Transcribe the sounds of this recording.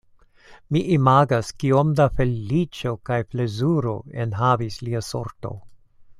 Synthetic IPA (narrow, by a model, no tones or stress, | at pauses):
miʔimaɡaskiomdafe̞lit͡ʃo̞kajfle̞zuɾo̞enɦavisliaso̰ɾto̞̰